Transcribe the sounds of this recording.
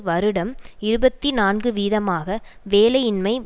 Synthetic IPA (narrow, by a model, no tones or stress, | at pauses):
ʋɐɾɯɽɐmɪɾɯbɐt̪ːinaːnɡɯʋiːðɐmaːɣɐʋeːlɐjɪnmɐɪ